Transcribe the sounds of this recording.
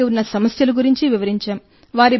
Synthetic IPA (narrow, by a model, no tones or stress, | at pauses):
unːɐsɐmɐsjɐluɡuɾiɲt͡ʃiʋiʋɐɾiɲt͡ʃaːm | ʋaːɾi